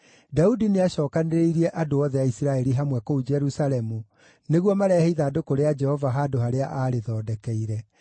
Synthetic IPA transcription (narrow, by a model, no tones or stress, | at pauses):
daudineaɕɔːkaneɾeiɾiɛʔadoɔðɛaisiɾaɛɾiɦamwɛkoud͡ʒɛɾusalɛmu | neɣwɔmaɾɛːheiðaːdokoɾead͡ʒɛhɔvaɦaːdohaɾeaʔaːɾeðɔːdɛkɛiɾɛ